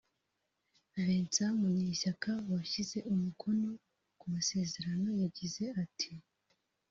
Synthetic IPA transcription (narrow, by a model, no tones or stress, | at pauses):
vent͡samuɲiːʃakawaçize̞ʔumukʰo̞no̞ | kumase̞ːze̞ɾano̞jaɟize̞atʰi